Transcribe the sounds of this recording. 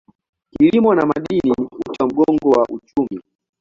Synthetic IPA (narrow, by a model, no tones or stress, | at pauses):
kilimɔnamaɗiniut͡ʃam̩ɡɔŋɡɔwaʔut͡ʃumi